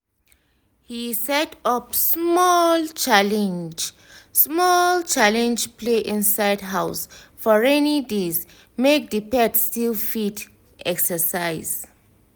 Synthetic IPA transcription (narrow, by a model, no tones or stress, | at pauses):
hisɛtɔpsmɔlt͡ʃalɛ̃nd͡ʒ | smɔlt͡ʃalɛ̃nd͡ʒpʰleʔĩnsajdɦawsfɔɹɛnidez | mek̚dipɛtstilfit | ɛksəsaɪz